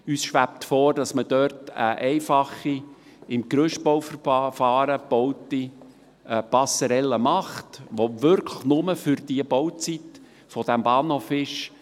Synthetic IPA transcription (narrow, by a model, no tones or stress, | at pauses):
yːsʃʋæp̚t̪fɔːɾd̥ɑsməd̥œɾtə̰ʔɛɪfɑχi | ɪmkɾøʃtbɔwfərfɑːɾəb̥owti | pɑsəɾɛlːəmɑχtʋoʋʏɾkʰləχnʊməfʏɾd̥iəbɔwt͡sit | fɔd̥æmbɑːnhofɪʃ